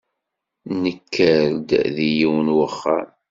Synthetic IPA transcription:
nəkːəɾd̪ðijiwənwəχːa̰n

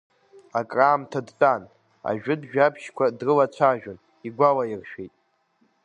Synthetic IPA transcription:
akʼraːmtʰadt͡sʼan | a̰ʒᶣʊdʒᶣapʰʃkʷʰadrɨlat͡ʃʷʰaʒᶣʊn | iɡʷalairʃᶣejtʼ

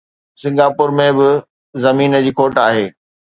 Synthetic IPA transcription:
sɪ̃ŋɡaːpʊɾmẽbɪ | zɐmiːnə̆d͡ʑiːkʰoːʈaːɦeː

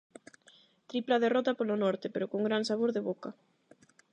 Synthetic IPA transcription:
t̪ɾiplaðerɔt̪apolonɔɾt̪epeɾokoŋɡɾansaβoɾðeβoka

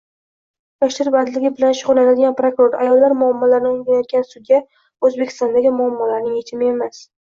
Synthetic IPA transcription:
jɒʃlɪɾbad̪lɪɡʲɪbɪlanʃʊʁʊɾnanad̪ɪɡʲanpɾokɾoɾa̰jɒlːaɾmʊamːɒlaɾnɪoŋˠɡʲanajɒt̪̚ɡʲansʊɡʲa | ɵzbekʲʰɪ̥st̪ɒnd̪aɡʲɪmʊamːɒlaɾnɪŋjet͡ʃ̪ʰɪmɪe̞mas

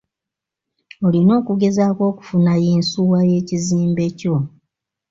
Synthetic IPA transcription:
olino̞ːkuɡe̞zaːko̞ːku̥funajeːnsuwaje̞ːciziːmbe̞co̞

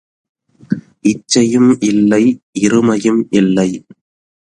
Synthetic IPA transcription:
ʔɪt͡ʃːɐjɯmʔɪlːɐɪʔɪɾɯmɐjɯmʔɪlːɐɪ

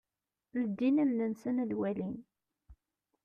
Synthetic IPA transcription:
ləd̪ːinæmnənsənlwælin

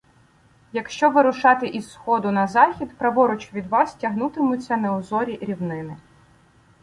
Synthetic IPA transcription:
jɐkʃt͡ʃɔʋɪɾʊʃɑt̪ɪʔizsxɔd̪ʊnɐzɑxʲid̪pɾɐʋɔɾʊt͡ʃʋʲid̪ʋɑstʲɐɦnut̪ɪmʊt͡sʲːɐnɐʊzɔɾʲiɾʲiwnɪnɪ

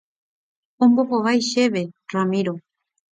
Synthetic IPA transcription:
omboxoβajʃeβeramiɾo

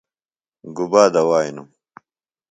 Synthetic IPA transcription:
ɡubaːd̪ɐwaːinu

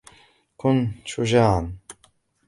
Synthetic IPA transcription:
kʊnʃʊd͡ʒaːʕan

